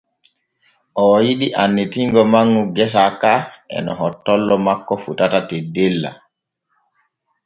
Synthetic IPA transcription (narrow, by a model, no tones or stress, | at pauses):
ʔɔjiɗiʔanːitiŋɡɔmaŋːɡuɡɛs̬akaʔɛ̰nɔhɔtːɔlːɔmakːɔfutatatedelːa̰